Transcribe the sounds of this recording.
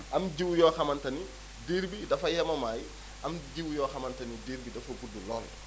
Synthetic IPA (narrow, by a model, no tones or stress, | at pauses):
ʔɐmɟiwjɔːxɐmɐntɐni | diːɾbidɐfɐjɐmɐmaːj | ʔɐmɟiwjɔːxɐmɐntɐnidiːɾbidɐfɐɡudulɔːl